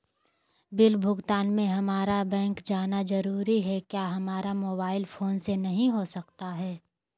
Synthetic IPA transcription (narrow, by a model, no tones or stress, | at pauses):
bɪlbʱʊɡt̪aːnmẽɦɐmaːɾabɛ̃ːŋkd͡ʒaːnazɐɾuːɾiɦɛkjaːɦɐmaːɾamoːbaːɪlfʰoːnsenɐɦĩɦosɐkt̪aɦɛː